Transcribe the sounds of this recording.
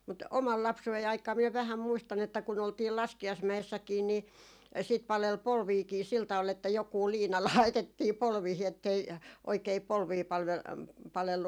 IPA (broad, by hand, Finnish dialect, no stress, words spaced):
mut omɑl lɑpsuei ɑikˑɑː miɛ ʋæhæm muistɑn etːæ kun oltiː lɑskiɑismæesːækiːn ni sit pɑlel polʋiːki sil tɑʋ̆ɑl etːæ jokuː liːnɑ lɑitetːiː polʋiːhi etːei oikei polʋiː pɑlʋ pɑlelːu